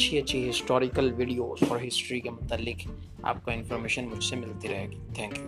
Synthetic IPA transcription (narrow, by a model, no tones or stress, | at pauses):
t͡ʃʰiɐtːʃʰiɦɪsʈɔːɾɪkəlʋɪɖijoːzɔ̰ːɾɦɪsʈɾikemʊt̪alːɪk | a̰ːp̚kaɪnfɔːɾmeːʃənmʊd͡ʒʱsemɪlt̪iɾɐɦeːɡit̪ʰɛ̃ːŋkju